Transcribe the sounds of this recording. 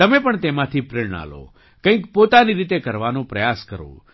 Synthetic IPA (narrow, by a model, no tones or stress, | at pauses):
t̪əmepəɳt̪emãt̪ʰipɾɪɳɳa̰lo̰ | kə̃ĩkpot̪aniɾit̪ekəɾʋanũpɾəjaskəɾo̰